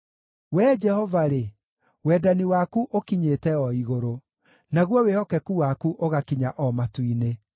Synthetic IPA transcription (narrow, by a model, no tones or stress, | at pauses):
wɛːd͡ʒɛhɔvaɾe | wɛːdaniwakuʔokiɲetɛɔiɣoɾo | naɣwɔwehɔkɛkuwakuʔoɣakiɲaʔɔmatwine